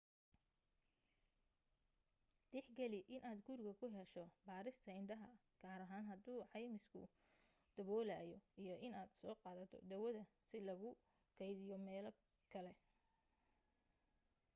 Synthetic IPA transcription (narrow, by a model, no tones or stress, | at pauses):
d̪̥ɛħɡɐlɪʔɪnʔaːd̪ɡʊrɡɐkʰʊɦɛʃɔbaːɾɪst̪ʰɐɪɳɖɐɦɐ | ɡ̥aːɾɐɦaːnɦɐd̪uːʕɑjmɪskʰʊ̰ | d̪̥ɐβɔːlaːjɔijɞʔɪnaːd̪sɔːqɑːðɐt̪ʰɔ̰d̪ɐwɐðɐ | sɪlɐɣʊ | kʰɛjðɪjɔmɛːlɐ | kʰɐlɛ